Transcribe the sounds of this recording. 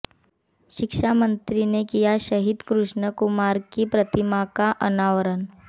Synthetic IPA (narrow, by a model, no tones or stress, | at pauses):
ɕikʂamənt̪ɾinekijaɕəɦid̪kɾuʂɳəkumaɾkipɾət̪imakaʔənaʋəɾən